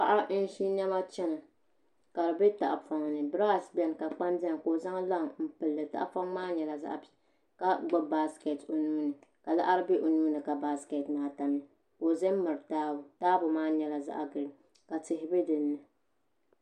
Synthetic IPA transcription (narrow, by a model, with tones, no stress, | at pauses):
pa˦ʔa˦n̩˦ʃi˦ɲɛ˦ma˦t͡ʃɛ˦nɨ˨ | ka˨ɾɨ˨be˦ta˨ʔa˨fa˨ŋnɨ˨bɾa˦˨sbɛ˦n˨ka˨k͡pa˦ndɛ˦ŋ˨ko˨za˦ŋ˦la˦˨ŋm̩˦˨pɨ˨lːɨ˨ta̰˦ʔfa˦ŋmaː˦ɲɛ˨la˨za̰˦ʔ | ka˨ɡ͡bʊ˦ba˦ske˨to˨nuː˦nɨ˨ka˨la̰˦ʔa˦ɾɨ˦be˦ʔo˨nuː˦nɨ˨ka˨ba˦ske˨tmaː˨ta˨mi˦˨ | ko˨zɛ˦mɨ˨ɾɨ˨taː˦bʊ˨taː˦bʊ˨maː˦ɲɛ˨la˨za̰˦ʔa˨ɡɨ˨ɾɨ˨ | ka˨tɪ˨ɦɪ˦bɨ˦dɨ˨nːɨ˨